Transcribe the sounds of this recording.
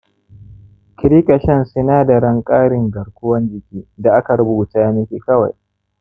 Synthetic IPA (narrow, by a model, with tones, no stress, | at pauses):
kʲɪ˦ɾiː˦kʼɐ˨ʃɛ˦nsɪ˦naː˦da˨ɾɐ˦ŋkʼaː˦ɽɪ˨ŋɡɐ˨ɽkʷʊ˦wɐ˦nd͡ʒɪ˨kʲiː˦da˨ʔa˦ka˨ɽʊ˦buː˨taː˦jmɪ˦kʲi˦kɐ˦wa̰˨j